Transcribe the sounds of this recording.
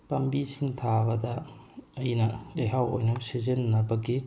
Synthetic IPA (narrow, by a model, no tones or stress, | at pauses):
pɐmbisiŋtʰabɐdɐː | jnɐeɦawo̰jnɐsizenːɐbɐɡi